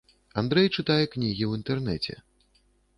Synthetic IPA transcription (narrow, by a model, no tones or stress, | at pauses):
and̪ɾɛjt͡ʂɨt̪ajɛknʲiɣʲiwint̪ɛrnɛt͡sʲɛ̰